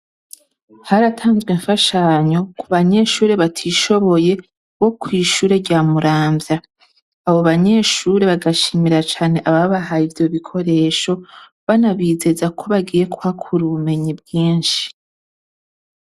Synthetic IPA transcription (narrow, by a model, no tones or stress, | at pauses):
haɾatʰaːnzɡweɱfaʃaɲo̞kʰuβaɲe̞ʃuːɾe̞βatʰiʃo̞βo̞je̞ | βo̞kwiːʃuːɾe̞ɾɟaːmuɾaːmbjaː | βoβaɲe̞ʃuɾe̞βaɡaʃimiɾat͡ʃaːne̞ʔaβaβaɦaivjo̞βikʰo̞ɾe̞ʃo̞ | βanaβize̞zakʰo̞βaɡiːje̞kuakʰuɾuume̞ɲibɡiːnʃi̥